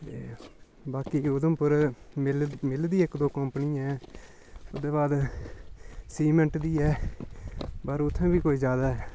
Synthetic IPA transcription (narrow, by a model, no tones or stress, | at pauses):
t̪ḛː | baːkiːʊd̪əmpʊɾlmɪld̪iːɪkd̪oːkəmpniːɛ̃ː | ʊsd̪eːbaːd̪ | siːməɳʈd̪iːɛː | bəɾʊt̪ʰːẽːbiːkoːiːzjaːd̪aːɦɛː